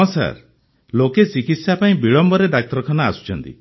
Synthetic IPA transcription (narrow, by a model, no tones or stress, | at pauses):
sa̰ɾ | loket͡ʃikit̪sjapaĩbiɭɔmbɔɾed̪ak̚t̪ɾɔkʰanɔasu̥t͡ʃʰɔnt̪ḭ